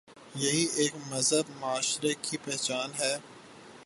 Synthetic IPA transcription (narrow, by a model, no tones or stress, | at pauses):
jɐɦieːkmɐzɦəbmʊaːʃɾekʰipɛɦt͡ʃaːnɦɛː